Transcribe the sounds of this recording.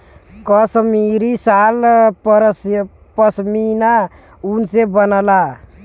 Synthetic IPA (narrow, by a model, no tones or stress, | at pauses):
kəsmiɾisalɾs | pəsmina | unsebənəla